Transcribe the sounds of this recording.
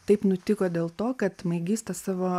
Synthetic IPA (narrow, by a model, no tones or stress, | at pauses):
t̪ɐɪpnʊt̪ʲɪkoːd̪ʲeːlˠt̪oːkɐt̪mɐɪɡʲiːst̪ɐsɑːʋoː